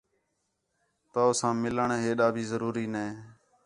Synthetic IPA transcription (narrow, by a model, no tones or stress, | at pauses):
t̪aːsãːmɪləɳeːɦeːɗaːbʱiːzəɾuːɾiːneː